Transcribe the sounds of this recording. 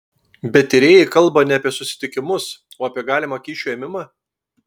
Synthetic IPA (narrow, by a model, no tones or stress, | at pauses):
bʲɛt̪ʲɪɾʲeːjɛɪkɐlˠˑbɐnʲɛɐpʲiɛsʊsʲɪ̥t̪ʲɪkʲɪmʊsoːɐpʲiɛɡɑːlʲɪmɐkʲiːʃʲuːɛːmʲɪmɑː